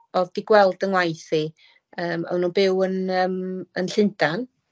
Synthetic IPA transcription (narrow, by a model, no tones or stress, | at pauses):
ɔðd̥iɡwɛlˠdənwajθi | əːma̰wnubɪwənəːmənɬɪndʰan